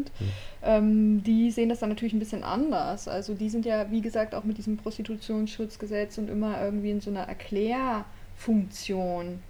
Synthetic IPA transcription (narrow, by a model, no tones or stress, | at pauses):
tʔɛːmdiːzeːəndasd̥anːatʰyɐlɪçnbɪsçənʔa̰ndɐsʔa̰lzodiːzɪntjaːviːɡəzaːk̚ta̰ʊxmɪt̚d̥iːzəmpʁ̥ɔstitʰut͡sjoːnsʃʊt͡sɡ̥əzɛt͡sʊntʔɪ̰mɐʔɪɐɡŋ̩tv̥iːɪnzoːnɐʔɛ̰ɐkʰl̥ɛːɐ | fʊŋk̚t͡sjoːn